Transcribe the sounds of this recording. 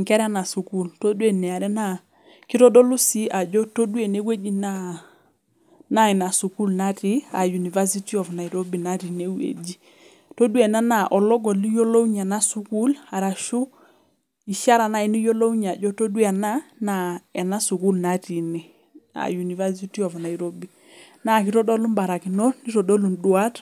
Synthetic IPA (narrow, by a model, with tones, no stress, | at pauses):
ŋkɛ˦ɾa˦na˨su˨ku˦˨lto˦du˦e˨nɛ˨a˨ɾɛ˦na˦ | ki˦ɾɔ˦dɔ˦lu˦si˦a˨d͡ʒɔ˦to˦du˦e˨ne˦we˦d͡ʒi˦na˦ | na˦ɛ˨na˨su˨ku˦lna˦ti˦a˨ju˨ni˨va˦si˦ti˦ɔ˨vna˨i˨ɾo˦bi˨na˦ɾi˨ne˦wḛ˨d͡ʒi˦ | to˦du˦e˨na˦na˨ʔɔ˨lɔ˦ɡɔ˨li˦jo˦lo˦u˦ɲa˨na˦su˦ku˦la˨ɾa˨ʃu˦ | i˨ʃa˦ɾa˨na˦ɛ˨ni˦jo˦lo˦u˦ɲa˨d͡ʒɔ˦to˦dwa˨na˦na˨ɛ˨na˦su˨ku˦lna˦ti˨nɛ˨ | a̰˨ju˨ni˨va˦si˦ti˦ɔ˨vna˨i˨ɾo˦bi˨ | na˦˨k̬i˦tɔ˦dɔ˦lu˦mba˨ɾa˨ki˨nɔ˦ni˦tɔ˨ɗɔ˦lu˨ndu˨˦a˦t